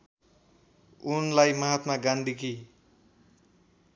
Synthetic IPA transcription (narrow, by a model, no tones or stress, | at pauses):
unlajmʌɦat̪maɡand̪ʱiki